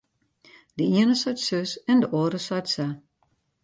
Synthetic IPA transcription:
d̥əiənəsɔjtsøsɛndəʔoːɾəsɔjtsa

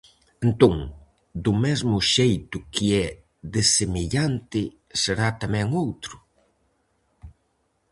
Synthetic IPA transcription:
ent̪oŋ | d̪ʊmɛzmʊʃejt̪ʊkɪɛ | ðesemeʎant̪ɪ | seɾat̪amɛ̃ŋowt̪ɾʊ

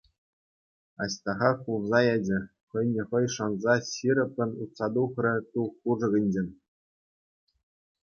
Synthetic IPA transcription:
ɑ̰ɕt̪ɑʁɑkulˠzɑjæd͡ʑɘ̆ | χɤ̆jnʲɘ̆χɤ̆jʂɑnzɑɕiɾʲɤ̆pʲːɘ̆nut̪sɑd̪uχrʲɘ̆t̪uχːuʐɤ̆ɡʲɘ̆nʲd͡ʑenʲ

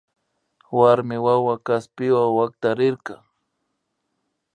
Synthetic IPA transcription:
waɾmɪwawakaspɪwawak̚t̪aɾɪɾkɑ

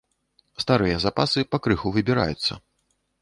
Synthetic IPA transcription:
st̪aɾɨjɐzapasɨpakɾɨxuvɨbʲiɾa̰jut̪sːɐ̰

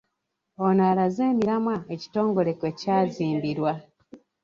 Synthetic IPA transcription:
onalazeːmiɾamwaeci̥to̞ːŋɡo̞le̞kwe̞caːziːmbiɾwa

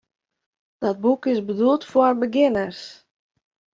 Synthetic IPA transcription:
d̥ɔd̚bukɪsbədulˠtfwɔrbəɡɪnərs

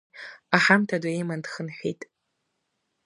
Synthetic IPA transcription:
aħamtʰadaejmandχənħʷᶣijtʼ

